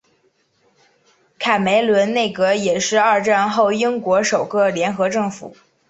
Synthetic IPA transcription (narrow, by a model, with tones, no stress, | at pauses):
kʰa˨˩me˧˥ɪlwə˧˥nne˥˩ɪkɤ˧˥jɛ˨˩ʂɻ̩˥˧a˞˥˧ʈ͡ʂa˥˧nxo˥˩ʊi˥ŋkwɔ˧˥ʂo˨˩ʊkɤ˥˧ljɛ˧˥nxɤ˧˥ʈ͡ʂɤ˥˩ŋfṵ˨˩˦